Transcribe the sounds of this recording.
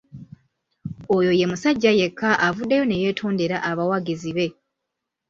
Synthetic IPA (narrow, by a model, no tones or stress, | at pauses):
ojo̞je̞musaɟːaje̞kʰːaʔavudːejo̞ne̞je̞ːtʰo̞ːnde̞ɾaʔaβawaɡiziβe̞